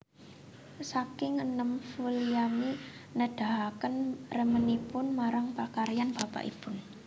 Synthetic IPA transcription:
sakɪŋənəmfulijaminəɖ̥a̤ɦakənrəmənipʊnmaɾaŋpakaɾjanb̥a̤pa̰ʔḭpʊn

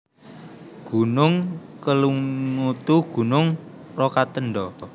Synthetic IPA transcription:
ɡ̥ṳnʊŋ | kəluŋŋut̪uɡ̥ṳnʊŋ | rɔkat̪ənɖɔ

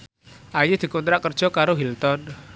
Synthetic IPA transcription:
ʔajud̪̥i̤kɔnt̪ɾaʔkərd̥ʒ̥ɔ̤kaɾoɦilt̪ɔn

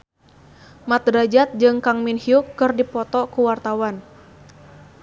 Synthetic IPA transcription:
mat̪̚ɾad͡ʒat̪̚d͡ʒɨŋkaŋminhiukːɨrdipɔt̪ɔkuwart̪awan

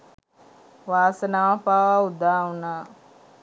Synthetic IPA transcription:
ʋaːsənaːpaːʋaud̪aːɦunaː

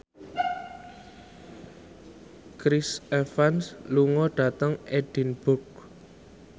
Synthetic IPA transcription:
kɾisefansluŋɔɖ̥ä̤t̪əŋed̥i̤nb̥ʊk̚

